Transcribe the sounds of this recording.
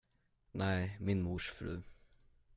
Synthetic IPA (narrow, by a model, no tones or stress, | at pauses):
næɪmɪnmuʂfɾʉ̰ː